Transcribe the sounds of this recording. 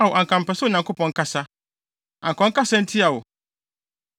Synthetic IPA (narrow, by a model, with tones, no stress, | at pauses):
a˨wʊ˨ʔa˨ŋkʰã˨m˨pɛ˨sʊ˦˨ɲã˨kʰo˦pʰɔ̃˨ŋ̩˦kʰa˦sa˦ | ã˨ŋ˨kʰɔ̃˨ŋ̩˦ka˦sã˦n̩˦tʰi˦a˨wʊ˨